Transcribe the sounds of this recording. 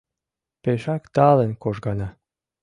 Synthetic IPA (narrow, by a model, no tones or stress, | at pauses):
peʃɑkt̪ɑlənkoʒɡɑnɑ